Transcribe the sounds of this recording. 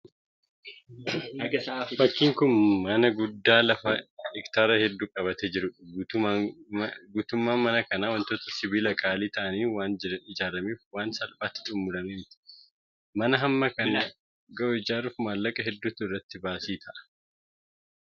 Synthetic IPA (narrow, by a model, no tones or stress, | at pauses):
fɐkːiːŋkʊnmɐnɐɡʊd̪ːaːlɐfɐɛkt̪aːɾɐhɛd̪ːuːkʼɐβɐt̪ɛd͡ʒɪɾʊɡ̪ | ɡuːt̪ʊmːaːmɐnɐkɐnaːwɐnt̪oːt̪ɐ̥sɪbiːlɐkʼaːliːt̪ɐʔɐniːwaːnɪd͡ʒaːɾɐmiːfwaːnsɐlbaːt̪ːɪ̥t̪ʼʊmːʊlɐmɛnɪt̪ɪ̥ | mɐnɐɦɐmːɐkɐna | ɡɐʔɔɪd͡ʒaːɾuːfmaːlːɐkʼɐɦɛd̪ːʊt̪ʊɪrːɐt̪ːɪbaːsiːt̪ʰɐʔɐ̥